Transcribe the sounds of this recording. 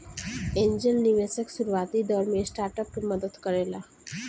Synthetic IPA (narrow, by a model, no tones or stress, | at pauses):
ẽnd͡ʒənniʋesəksuɾuaːt̪id̪ɔːɾmẽsʈaːɾʈəp̚keɾməd̪əd̪kəɾeːla